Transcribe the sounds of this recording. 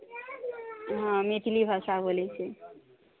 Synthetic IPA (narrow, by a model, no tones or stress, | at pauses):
ɦmeʈʰilibʱasabolɛt͡ʃʰe